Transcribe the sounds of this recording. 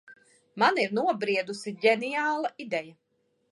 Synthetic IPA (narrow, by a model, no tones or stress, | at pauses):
maniɾnuɔbɾiɛd̪usiɟɛnijaːlˠaʔid̪ɛja